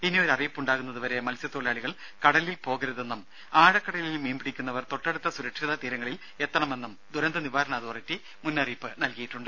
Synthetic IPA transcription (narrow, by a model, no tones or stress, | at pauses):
pinːioɾɐrijpːuɳɖaːɣunːɐðɨʋɐɾe̞mɐlsjɐt̪ːoːɭijaːɭiɣɐɭ | kɐɽɐlilpo̞ːɣɐɾɐðe̞nːum | aːɻɐkːɐɽɐlilmeːmbiɽikʲːunːɐʋɐrt̪o̞ʈːɐɽut̪ːɐsuɾɐkʂiðɐt̪iːɾɐŋːɐɭil | e̞t̪ːɐɳɐme̞nːumd̪ʱuɾɐnd̪ɐniʋaːɾɐɳaːðoɐritːi | munːɐriːpːɨnɐlkijiʈːuɳɖɨ